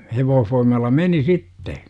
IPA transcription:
heʋoːhfoimˑɑlːɑ meni sitːe

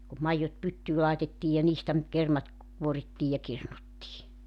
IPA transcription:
kum mɑijːot pytːyː lɑˑetetːiːj jɑ niːstæ nyt kermɑt kuoritːiː jɑ kirnutːiː

